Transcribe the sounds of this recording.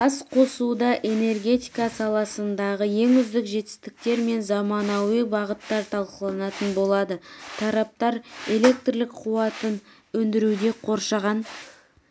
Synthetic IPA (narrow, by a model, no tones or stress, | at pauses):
ɑsqʰo̞sud̪ɑʔe̞ne̞rɡʲe̞t̪ijkɑsɑlˠɑsənd̪ɑʁəje̞ŋʏzd̪ɪkʒe̞t̪ɪ̥st̪ɪk̚t̪e̞ɾme̞nzɑmɑnɑwəbɑʁət̪ːɑɾt̪ʰɑlˠqəlˠɑnɑt̪ənbo̞lˠɑd̪ət̪ʰɑɾɑp̚t̪ɑɾe̞lʲe̞k̚t̪rlɪk̚qʰuwɑt̪ən | ɵnd̪ɪɾud̪e̞qʰo̞ɾʃɑʁɑn